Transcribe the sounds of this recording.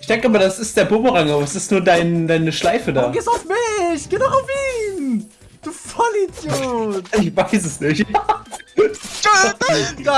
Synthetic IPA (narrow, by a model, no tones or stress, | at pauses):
ɪçd̥ɛŋkəʔɪmɐdasɪst̚d̥eːɐboːbəʁaŋɐvasɪstnuːɐdaɪndaɪnəʃlaɪfədaːɡeːstaʊfmɪçɡ̥eːnɔχʊfiːn | d̥uːfɔlitjoːɪçv̥aɪsɛsnɪçta